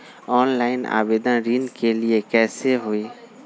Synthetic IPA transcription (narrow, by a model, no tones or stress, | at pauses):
ɔːnlaɪna̰ːbed̪ənɾinkeliekɛːseɦoe